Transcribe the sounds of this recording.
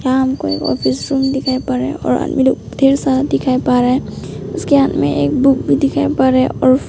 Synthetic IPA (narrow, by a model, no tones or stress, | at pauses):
jaɦəmkoḛːkɔ̰pʰisɾumd̪ɪkʰaepəɾḛɔ̰ːɾa̰d̪milokd̪ʱeɾsad̪ɪkʰajpaɾeʊskeɦat̪mḛ̃ʔeːk̚buk̚bʱid̪ɪkʰaepaɾɛɔːɾ